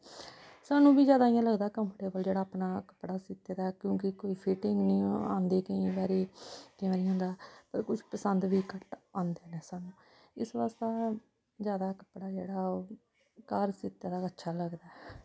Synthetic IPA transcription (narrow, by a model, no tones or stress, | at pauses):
saːnũːbiːzjaːd̪aːijãːləɡd̪aːkəmpʈeːbəld͡ʒeːɽaːpnaːkə̥pɽaːsɪt̪eːd̪aːkjõːkɪkoːiːpʰiːʈɪŋɡnĩːã̰ːnd̪eːkəĩːʋaːɾeːk̪ɪjãːɾiːɦʊ̃nd̪aːpəɾkʊt͡ʃʰpəsənd̪ʋiːkəʈãːnd̪eːnɛ̃ːsaːnũː | ɪsʋaːst̪aː | zjaːd̪aːkə̥pɽaːd͡ʒeːɽaː | kaɾsɪt̪ːeːd̪aːətːʃʰaːləɡd̪aːɛ